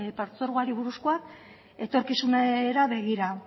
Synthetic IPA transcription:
paɾt͡so̞ɾɣaɾiβuɾuskoak | e̞t̪o̞ɾkisuneɾaβe̞ɣ̞iɾa

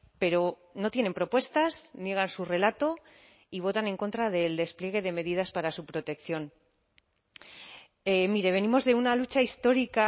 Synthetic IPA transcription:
pe̞ɾo̞ | no̞t̪jene̞mpɾo̞pwe̞st̪aznje̞ɣ̞ansure̞lat̪o̞ | iβ̞o̞t̪ane̞ŋko̞nt̪ɾaðe̞ld̪e̞splje̞ɣ̞e̞ð̞e̞me̞ðiðaspaɾasupɾo̞t̪e̞kθjo̞n | emiɾe̞β̞e̞nimo̞zðe̞unalut͡ʃaist̪o̞ɾika

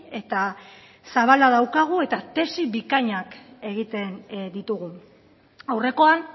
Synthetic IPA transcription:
e̞t̪a | saβalað̞awkaɣ̞ue̞t̪at̪e̞siβikaɲake̞ɣ̞it̪e̞nd̪it̪uɣ̞u | awre̞ko̞an

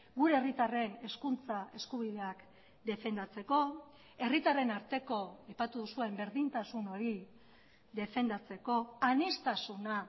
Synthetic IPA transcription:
ɡuɾe̞ːrit̪are̞ne̞skunt͡sae̞skuβiðe̞ak | d̪e̞fe̞nd̪at͡se̞ko̞ | e̞rit̪are̞naɾt̪e̞ko̞ajpat̪uðusue̞mbe̞ɾðint̪asuno̞ɾi | ðe̞fe̞nd̪at͡se̞ko̞anist̪asuna

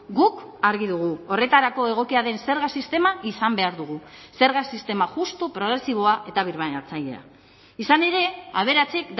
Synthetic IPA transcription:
ɡukaɾɣiðuɣ̞uo̞re̞t̪aɾako̞e̞ɣ̞o̞kiaðe̞nse̞ɾɣasist̪e̞maʔisambe̞aɾðuɣ̞use̞ɾɣasist̪e̞maʝust̪upɾo̞ɣ̞ɾe̞siβ̞o̞aʔe̞t̪aβ̞iɾβanat͡saʎe̞̰a̰ | isane̞ɾe̞aβ̞e̞ɾat͡sekd̪

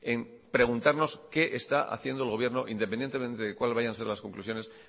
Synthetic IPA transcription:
em | pɾe̞ɣ̞unt̪aɾno̞ske̞ʔest̪aʔa̰θje̞nd̪oelɣo̞βje̞ɾno̞ʔind̪ep̬enje̞nt̪e̞mẽ̞nt̪e̞ðe̞kwalβaʝanse̞ɾlaskõ̞ŋklusjo̞nes

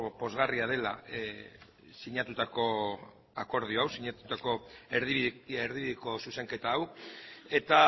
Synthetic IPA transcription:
po̞zɣariað̞e̞la̰ | siɲat̪ut̪ako̞ | ako̞ɾðioawsiɲat̪u̥t̪ako̞eɾðieɾðiβiðiko̞suse̞ŋke̞t̪aːwe̞t̪a

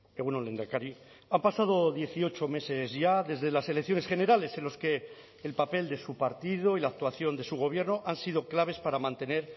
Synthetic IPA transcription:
eɣunonlend̪akaɾi | ampasað̞o̞ðje̞θio̞t͡ʃo̞me̞se̞zʝaðe̞zðe̞lase̞lekθjo̞ne̞sχe̞ne̞ɾale̞se̞nlo̞ske̞ː | lpape̞ld̪e̞supaɾt̪ið̞oilaːk̚t̪waθjo̞nd̪e̞suɣ̞o̞β̞je̞ɾno̞ʔansiðo̞klaβe̞spaɾamãnt̪e̞ne̞ɾ

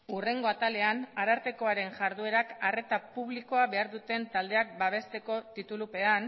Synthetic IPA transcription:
ure̞ŋɡo̞at̪ale̞anaɾaɾt̪e̞ko̞aɾe̞ŋʝaɾðue̞ɾakare̞t̪apuβliko̞aβe̞aɾðut̪e̞nt̪ald̪e̞ak̚baβ̞e̞st̪e̞ko̞t̪it̪ulupe̞an

